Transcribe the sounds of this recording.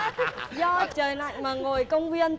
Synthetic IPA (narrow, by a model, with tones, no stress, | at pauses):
zɔ˧t͡ɕəː˨˩jna̰˧˨jŋ̟maː˨˩ŋo˨˩jkə˧wŋ͡mvi˧ən